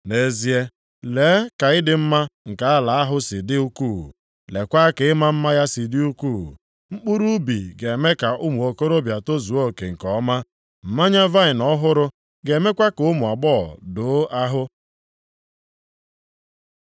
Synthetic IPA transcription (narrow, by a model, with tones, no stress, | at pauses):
ne˦zi˦e˦ | leː˨˦ka˨ɪ˦dɪ˦m̩˦ma˦ŋ̩˨ka˨a˦la˨a˦ɦʊ˦sɪ˨dɪ˦u˦kuː˦˨ | le˨kʷa˦ke˨ɪ˦ma˦m̩˦ma˦ja˦sɪ˨dɪ˦u˦ku˦˨ | ŋ͡m̩˦k͡pu˦ɾu˦bi˨ɡe˨me˦ka˨ʊ˦mu˨o˨ko˦ɾo˦bja˨to˦zu˨o˦˨ke˨ŋ̩˨kɔ˦ma˦ | m̩˨ma˦ɲa˦va˦ɪ˨nɔ˦ɦʊ˦ɾʊ˦ | ɡe˨˦me˦kʷa˦kʊ˦mʊ˨a˨ɡ͡bɔ˦˨do˨˦a˦ɦʊ˦